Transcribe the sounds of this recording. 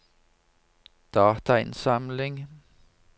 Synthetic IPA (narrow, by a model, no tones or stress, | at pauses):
d̪̥ɑːt̪ʰɑɪ̰nsɑmlɪŋ